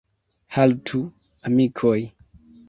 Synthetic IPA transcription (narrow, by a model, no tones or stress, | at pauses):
haltʰu | amikʰoj